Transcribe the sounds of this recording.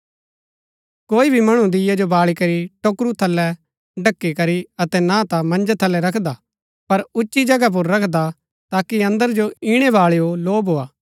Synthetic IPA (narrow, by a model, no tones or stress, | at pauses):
koːibʱimɐɽ̃ũd̪ɪjad͡ʒobaːɭikɐɾiʈoːkɾut̪ʰɐlːɛ | ɖɐkːikɐɾiɐt̪ɛnat̪amɐ̃nd͡ʒat̪ʰɐlːɛɾɐkʰd̪a | pɐɾʊt͡ʃːʃid͡ʒɐɡap̬ʊɾːɐkʰd̪a | t̪aːkiɐ̃nd̪əɾd͡ʒoiːɽ̃ɛbaːɭeoloːbɦoːaː